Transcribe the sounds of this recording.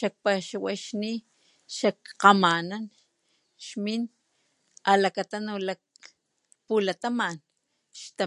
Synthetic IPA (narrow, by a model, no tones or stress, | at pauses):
ʃak̚paʃawaʃni | ʃakqamanan | ʃmin | alakat̪anolak̚ | pulat̪aman | ʃt̪a